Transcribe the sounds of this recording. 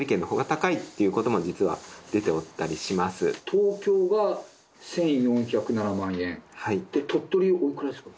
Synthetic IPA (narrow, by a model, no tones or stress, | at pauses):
ɾʲike̞nːo̞ɦo̞ːɡat̪akait̪ːe̞jɯ̟ko̞t̪o̞mo̞d͡ʑit͡sɨβa̰d̪̥e̞t̪e̞ot̪ːaɾʲiɕimasɨ̰t̪ʰoːkʲo̞ːɡa | sẽ̞ɰ̃jõ̞ɰ̃çakɯ̟nanamãɰ̃ẽ̞nhaid̪̥et̪ʰo̞t̪ːoɾʲiʔoikɯ̟ɾasɨ̥kɯ